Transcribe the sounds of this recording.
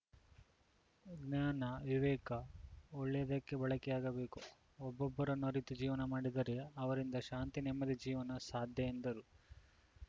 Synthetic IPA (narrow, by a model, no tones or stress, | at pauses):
ɡnaːnɐʋiʋɛːkɐɔɭːejɐd̪ɐkːe̞bɐɭɐkɛjaːɡɐbe̞ːku | ɔbːɔbːɐɾɐnːuɐɾit̪ud͡ʒiːʋɐnɐmaːɽid̪ɐɾe̞ɐʋɐɾind̪ɐʃaːnt̪inɛmːɐd̪id͡ʒiːʋɐnɐsaːd̪ʱjɐend̪ɐɾu